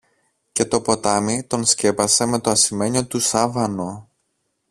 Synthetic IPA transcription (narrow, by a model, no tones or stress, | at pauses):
ce̞t̪o̞po̞t̪ɐmit̪o̞nsce̞pɐse̞me̞t̪o̞ɐsime̞ɲo̞t̪usɐvɐno̞